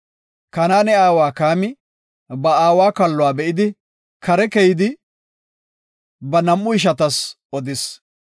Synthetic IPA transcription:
kɐnaːnɛaːwaːkaːmɪ | bɐaːwaːkɐlːʊwaːbɛʔɪd̪ɪ | kɐɾɛkɛjɪd̪ɪ | bɐnɐmːʊɪʃ̬ɐt̪ɐs | ɔd̪ɪs

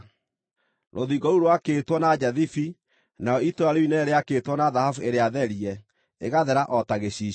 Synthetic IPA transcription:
ɾʔoðiɡɔɾuɾwakeːtwɔnad͡ʒaðifi | naɔitoaɾeinɛɾeaketwɔnaðahafueɾeaðɛɾiɛ | eɣaðɛɾaʔɔtaɣeɕi

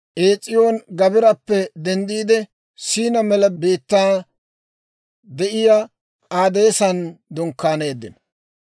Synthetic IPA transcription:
ʔeːt͡sʼːɪjonɡɐbɪɾɐpːɛd̪ɛnd̪iːd̪ɛ | siːnɐmɛlɐbe̞ːt̪ːaː | d̪ɛʔɪja | aːd̪e̞ːsɐnd̪ɔŋkːaːne̞ːd̪ːɪ̰nɐ

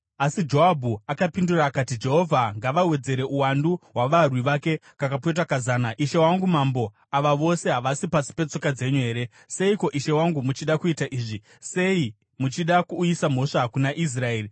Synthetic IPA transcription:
asid͡ʒo̞abʱuakapinduraːkatid͡ʒe̞ɦo̞vʱaŋɡaʋawe̞d͡ze̞ɾe̞ʔuwanduɦwaʋarwiʋake̞ | kakap̬et̬akazaːnaiʃe̞waŋɡumambo̞ | aʋaʋo̞se̞ɦaʋasipasi̥pe̞t͡so̞kad͡ze̞ɲuɦe̞ːɾe̞ | se̞iko̞ʔiʃe̞waŋɡumut͡ʃiɗakuitaʔiːʐi | se̞i | mut͡ʃiɗakuːisam̤o̞ʂakunaʔis̬rae̞ːri

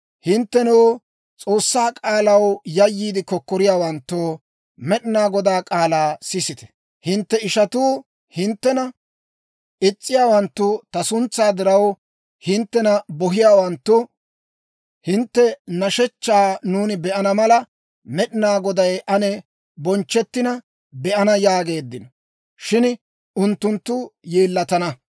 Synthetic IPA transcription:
hɪnt̪ːɛnoː | t͡sʼo̞ːsːaːkʼaːlɐwjɐjːiːd̪ɪkɔkːɔɾɪjaːwɐnt̪ːoː | mɛɗɪnaːɡɔd̪aːkʼaːlaːsɪsɪt̪ɛ̥ | hɪnt̪ːɛɪʃɐt̪uː | hɪnt̪ːɛnɐ | ʔɪt͡sʼːɪjaːwɐnt̪ːʊt̪ɐsʊnt͡sːaːd̪ɪɾɐw | hɪnt̪ːɛnɐbɔɦɪjaːwɐnt̪ːʊ | hɪnt̪ːɛnɐʃɛt͡ʃːaːnuːnɪbɛʔɐnɐmɐlɐ | mɛɗɪnaːɡɔd̪ɐjʔɐnɛ | bɔnt͡ʃːɛt̪ːɪnɐ | bɛʔɐnɐjaːɡe̞ːd̪ːɪnɔ | ʃɪn | ʔʊnt̪ːʊnt̪ːʊjeːlːɐt̪ɐnɐ

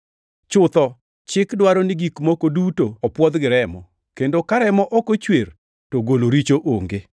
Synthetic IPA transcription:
t͡ʃʊt̪ɔ | t͡ʃɪkdwaɾɔnɪɡikmokodutoɔpwɔd̪ɡɪɾɛmɔ̰ | kendokaɾɛmɔʔɔkot͡ʃwer | toɡoloɾit͡ʃoʔoŋɡe

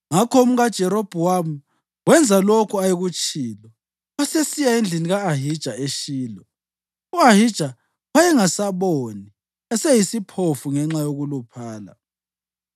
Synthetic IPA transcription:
ŋakʰɔum̩ɣad̥ʒ̥ʱɛɾob̥ʱuwamu | wɛnd͡zʱalokʰuajiɣut͡ʃʰʼiːlɔ | wasesijaend͡ɮʱiniɣaːɦid̥ʒ̥ʱaeʃiːlɔ | uaɦid̥ʒ̥ʱa | wajɛŋasaβoni | ɛsɛjisipʰofuŋɛŋ͡ǁajoɣulupʰaːla̰

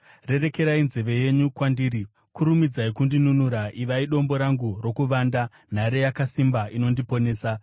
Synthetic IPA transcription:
re̞ɾe̞ke̞ɾainze̞ʋe̞je̞ɲukwandiːɾi | kʰuɾumid͡zaikundinunuɾaʔiʋaiɗo̞mbo̞ɾaŋɡuro̞kuʋaːnda | n̤aɾe̞jakasimbaino̞ndipo̞ne̞ːsa

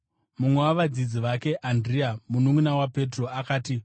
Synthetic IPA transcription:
mumwe̞waʋad͡zid͡ziʋake̞ʔandriamunuŋunawape̞tro̞akaːti

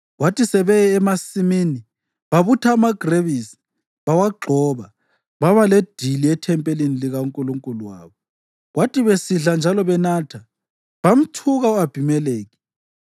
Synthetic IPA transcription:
ɣwatisɛβɛːmasimini | βaβutʰaːmaɡ̥ʱreβisi̥ | βawaɡ͡ǃʱɔβa | βaβaled̥ʱiliɛtʰɛmpʼeliniliɣauŋkʼuluŋkʼuluwa̰ːβɔ | ɣwatʰʼiβesiɮand͡ʒʱalɔβɛnaːtʰa | βam̩tʰuɣauab̥ʱimɛleːɣi

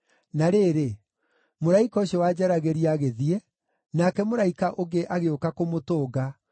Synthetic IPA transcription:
naɾeːɾe | moɾaikɔɕjɔwad͡ʒaɾaɣeɾiaɣeðiɛ | nakɛmoɾaikaʔoɣeʔaɣeokakomotoːɡa

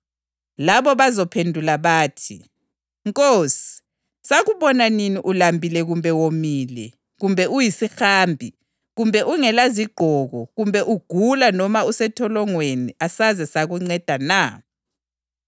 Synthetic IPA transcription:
laβɔβazɔpʰendʱulaβaːtʰḭ | ŋkʼoːsi̥ | saɣuβɔnaniniʔulambʱilɛɣumbʱɛwomiːlɛ̰ | ɣumbʱɛujisixaːmbʱi | ɣumbʱɛʔuŋɛlaziɡ͡ǃ̥ʱɔɣɔɣumbʱɛʔuɡ̥ʱulanɔmausɛtʰɔlɔŋweniasazɛsaɣuŋ͡ǀɛd̥ʱana

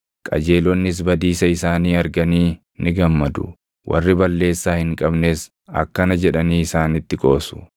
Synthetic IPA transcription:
kʼɐ̰d͡ʒe̞ːlɔnːɪs̬bɐd̪iːsɐɪsaːniːɐɾɡɐniː | nɪɡɐmːɐd̪ʊ̰ | wʔɐ̰rːɪbɐlːe̞ːsːaːhɪŋkʼɐbneːs | ɐ̰kːɐnɐd͡ʒɛᶑɐniːɪsaːnɪt̪ːɪkʼo̞ːsʊ̥

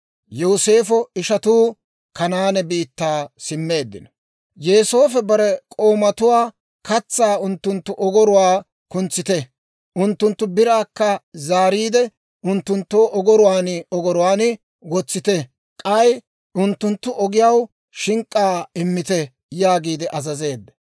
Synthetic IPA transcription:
joːse̞ːfɔɪʃɐt̪uː | kɐnaːnɛbiːt̪ːaːsɪmːe̞ːd̪ːɪ̰nɐ̥ | jeːso̞ːfɛbɐɾɛkʼo̞ːmɐt̪ʊwaː | kɐt͡sːaːʊnt̪ːʊnt̪ːʊʔɔɡɔɾʊwaː | kʊnt͡sːɪt̪ɛ | ʔʊnt̪ːʊnt̪ːʊbɪɾaːkːɐzaːɾiːd̪ɛ | ʊnt̪ːʊnt̪ːoːʔɔɡɔɾʊwaːnɔɡɔɾʊwaːnɪ | wɔt͡sːɪt̪ɛ | kʼɐj | ʊnt̪ːʊnt̪ːʊʔɔɡɪjɐw | ʃɪŋkʼːaːɪmːɪt̪ɛ | jaːɡiːd̪ɛʔɐzɐze̞ːd̪ːɛ̥

